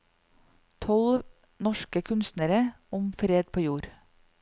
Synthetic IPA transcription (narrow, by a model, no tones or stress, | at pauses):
t̪ʰɔl | nɔʃkəkʰʉnst̪nəɾə | ʊmfɾeːd̪̚pʰoːjuːɾ